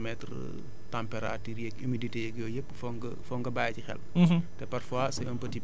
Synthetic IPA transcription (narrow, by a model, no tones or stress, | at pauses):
mɛtr | tampɛɾa̰tiɾjɛkimiditejɛɡjɔːjəp̚ːfɔŋɡɐfɔŋɡɐbaːjcixɛ̰ltɛpɐrfwasɐjɔːnpɐti